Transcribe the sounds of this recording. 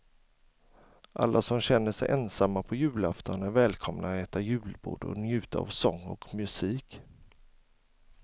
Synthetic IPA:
ʔa̰lːʔasɔmɕɛnːəʂɛ̰jʔɛnsamːapʰɔjʉ̟ːlaft̪ɔnæɾvɛːlkʰɔmnʔaɛːt̪ajʉ̟ːlbṵːɖ̪ɔ̰njʉ̟ːt̪aa̰vsɔŋːɔ̰kmɵsiːk

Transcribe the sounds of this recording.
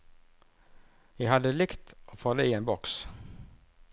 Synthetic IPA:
jæɦad̪ːəlɪkt̪ʔɔfoːd̪ɛienbɔks

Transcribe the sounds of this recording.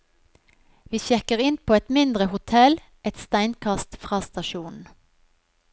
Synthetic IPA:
ʋiːçɛkəʁɪnpʰoːɛt̪mɪnd̪ʁəhʊt̪ʰɛl | ɛt̪st̪æɪnkʰɑst̪fʁɑːst̪ɑʃuːnn̩

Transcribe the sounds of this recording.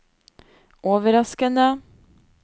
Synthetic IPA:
ʔoːʋəɾɑskənd̪ə

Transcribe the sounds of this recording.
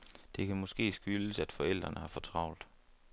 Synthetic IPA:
d̥e̝kʰæmɔ̽sɡ̥e̝̰ːsɡ̥yləsæd̥fɒ̽el̰d̥ʁɐnəhɑ̈fɒ̽t͡sʰʁɑ̈ʊ̰ld̥

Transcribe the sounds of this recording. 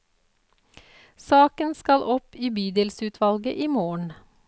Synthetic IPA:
sɑːkənskɑlʔɔpiːbyːd̪ɛːlsʉːt̪ʰʋɑlɡəʔiːmoːɳ

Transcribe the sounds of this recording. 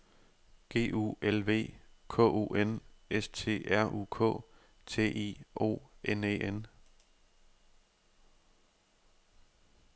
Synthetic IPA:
ɡ̥e̝̰ːṵːelʋe̝̰ːkʰɔ̰̽ːʔo̰ːʔenest͡sʰe̝̰ːæɐ̰ʔṵːkʰɔ̰̽ː | t͡sʰe̝̰ːʔḭːʔo̰ːʔenḛːʔen

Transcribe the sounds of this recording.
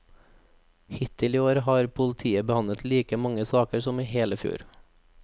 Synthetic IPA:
hɪt̪ɪliːoːɾhɑːɾpʰʊlt̪ʰiːəbəhɑnət̪liːkəmɑŋəsɑːkəɾsɔmiːheːləfjṵːɾ

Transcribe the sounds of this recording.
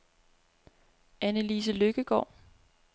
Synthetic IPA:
ænəlis̬əløɡ̥əɡ̥ɒ̰ː

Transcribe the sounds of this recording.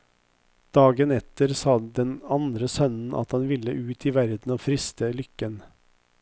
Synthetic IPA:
d̪̥ɑːɡənɛt̪əɾsɑːd̪ɛnɑnd̪ɾəsœnn̩ʔɑ̰t̪hɑnʋɪlːəʔʉːt̪ʰiːʋæɾd̪n̩oːfɾɪst̪əlʏkːən

